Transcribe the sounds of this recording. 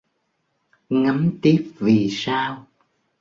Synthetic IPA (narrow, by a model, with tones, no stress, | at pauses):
ŋa˨˦mt̪i˦˥əp̚vi˨˩saː˧w